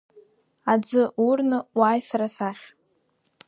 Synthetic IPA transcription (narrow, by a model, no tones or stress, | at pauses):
ad͡zɨurnɨwaːjsaɾasaχʲ